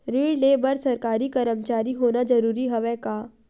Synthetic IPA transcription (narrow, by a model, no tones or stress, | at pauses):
ɾiːɖleːbəɾsɐɾkaːɾikɐɾəmt͡ʃaːɾiɦoːnad͡ʒɐɾuːɾiɦɐʋɛ̃kaː